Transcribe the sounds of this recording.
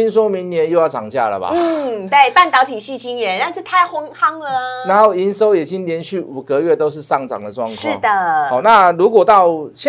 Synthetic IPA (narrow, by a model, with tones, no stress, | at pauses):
i˥nswɔ˥mi˧˥ŋnjɛ˧˦njo˥˧ʊjɑ˥˩ʈ͡ʂɑ̰˨˩ŋt͡ɕja̰˥˩lə̰˩ba̰˨˦˥t̪e˥˩ɪpa˥˩nt̪ɑ˧˥ʊt̪ʰi˨˩ɕi˥˩t͡ɕi˥ŋɥɛ˧˦na˥˧t͡s̩˥˩t̪ʰa˥˩ɪxʊ˥ŋxɑ˥ŋlə˧na˧˥˦nxo˥˩ʊi˧˥nso˥ʊjɛ˨˩t͡ɕi˦nljɛ˧˥nɕy˥˩u˨˩kə˦ɥɛ˥˩t̪o˥ʊʂ̬ɻ̩˥˧sɑ˥˩ŋʈ͡ʂɑ̰˨˩ŋd̪ə˦ʈ͡ʂwɑ̰˥˧ŋkʂ̩ʰ˥˩˦d̪ə˩xa˨˩˦ʊna˥˧lu˧˥kwɔ˨˩t̪ɑ˥˩ʊɕjɛ˥˨